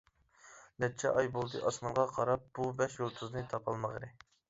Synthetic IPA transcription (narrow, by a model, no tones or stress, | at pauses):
nɛt͡ʃʰɛ̰ʔɑjbolˠd̪ɨʔɑsmɑnʁɑqʰɑɾɑp̚b̥ubɛʃjolˠt̪ʰuznɨt̪ʰɑpʰɑlˠməʁəɾɨ